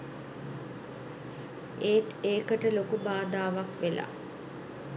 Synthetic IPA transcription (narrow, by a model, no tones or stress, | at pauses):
eːt̪eːkəʈəlokubaːd̪aːʋakʋela̰